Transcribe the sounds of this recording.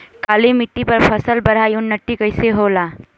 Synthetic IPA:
kalimiʈːipəɾpʰəsəlbəɽ̤aiʊnːət̪ːikəjseɦola

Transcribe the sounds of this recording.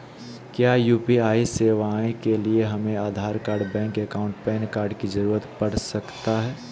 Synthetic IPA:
kjaːjuːpiaːiseːʋaːẽkelieɦɐmẽaːd̪ʱaːɾkaːɾɖbɛ̃ːŋkekaːʊ̃ɳʈpɛːnkaːɾɖkid͡ʒɐɾuːɾət̪pɐɽ̤sɐkt̪aɦɛː

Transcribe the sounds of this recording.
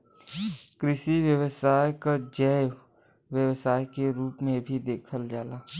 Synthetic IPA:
kɾɪʃiʋjəwəsaːjkad͡ʒəj | ʋjəwsaːjkeɾuːpmẽbʱid̪eːkʰəld͡ʒaːlaː

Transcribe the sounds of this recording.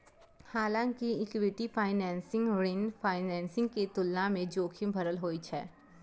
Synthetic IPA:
haːlãːŋkiɪkwɪʈipʰaːɪnɛ̃ːnsɪ̃ŋɡɽɪnpʰaːɪnɛ̃ːnsɪ̃ŋɡket̪ʊlːamẽd͡ʒoːkʰɪ̃mbʱɐɾəlɦoːit͡ʃʰɛ̰ː

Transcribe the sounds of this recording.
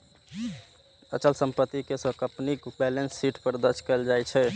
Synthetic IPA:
ət͡ʃəlsəmpət̪ːikesə̃kəpnikbɛlensːiʈpəɾd̪əɾt͡ʃʰkɛld͡ʒajt͡ʃʰɛ

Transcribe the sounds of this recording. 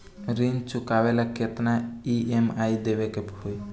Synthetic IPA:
ɾind͡ʒt͡ʃʊkaʋelakʰet̪naiemaːid̪eʋekepoi

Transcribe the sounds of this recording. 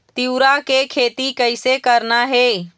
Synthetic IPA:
t̪iwɾakekʰeːt̪ikəɪsekəɾnaɦe

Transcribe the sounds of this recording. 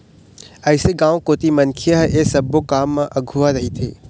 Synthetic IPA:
ɐːseɡãːʋõkoːt̪imɐnkʰijəɦʔeːsɐbokaːmːãʔɐɡʱuʋaɾɐɦit̪ʰḛː

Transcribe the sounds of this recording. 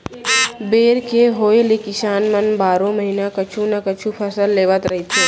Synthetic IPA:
beːɾkeɦoːelekɪsaːnmənbaːɾõməɦinakət͡ʃʰũnakət͡ʃʰupʰəsəlːeːʋət̪ɾɐɦit̪ʰeː

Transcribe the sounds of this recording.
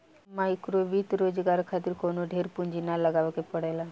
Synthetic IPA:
maikɾoʋit̪ɾod͡zɡaɾkʰat̪iɾkonoɖʱeɾpuɲd͡ʑinaləɡaʋkepəɽajla

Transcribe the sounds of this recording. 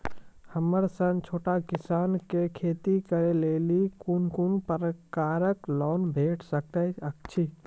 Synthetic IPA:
həməɾsə̃ŋt͡ʃʰoːʈakɪsaːnkekʰeːt̪ikəɾeleːlikunkunpəɾəkaːɾəklɔːnbʱeːʈʰsək̚t̪əək̚t͡ʃʰi

